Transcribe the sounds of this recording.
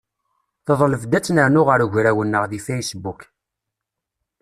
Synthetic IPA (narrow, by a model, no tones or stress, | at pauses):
θəðˤləfd̪æt͡sːnəɾnʊʁəɾʝɾæwənːəʁðifæjsəbːuk